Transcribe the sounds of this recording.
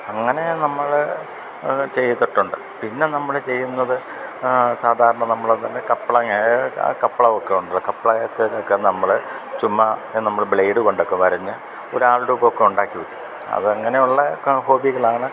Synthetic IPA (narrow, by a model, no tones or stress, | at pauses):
ɐŋːɐne̞nɐmːɐɭ | t͡ɕe̞jːɐt̪ːiʈːuɳɖɨ | pinːe̞nɐmːɐɭt͡ɕe̞jːunːɐðɨ | saːd̪ʱaːɾɐɳɐnɐmːɐɭt̪ɐnːekɐpːɐɭɐŋːɐkɐpːɐɭɐokːe̞uɳɖuɭːɐkɐpːɐɭɐɐt̪ːelokːe̞nɐmːɐɭ | t͡ɕumːɐnɐmːɐɭbɭejɖɨko̞ɳɖokːe̞ʋɐɾɐɲːɨ | o̞̰ɾuaːɭʈuːkːokːe̞uɳɖaːkːiʋɐkːum | ɐ̰ðɨɐŋːɐne̞juɭːɐho̞ːbiɣɐɭaːɳɨ